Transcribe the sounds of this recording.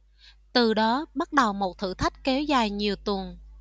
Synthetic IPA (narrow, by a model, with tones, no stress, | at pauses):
t̪ɨ˨˩ɗɔ˨˦ɓa˦˥t̚ɗə˨˩wmo˨˩t̚t̪ʰɨ̰˧˨t̪ʰa˦˥jk̟̚kɛ˨˦wzaː˨˩jɲi˨˩əwt̪ə˨˩əŋ